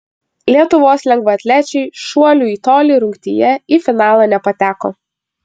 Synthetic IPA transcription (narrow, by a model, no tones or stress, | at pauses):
lʲiɛt̪ʊʋoːslʲɛŋɡʋɐɐt̪ʲlʲæt͡ʃʲɛɪʃuɔlʲuːiːt̪oːlʲiːɾʊŋʲkt̪ʲijɛifʲɪnɑːlˠɐnʲɛpɐt̪ʲæːko̰ː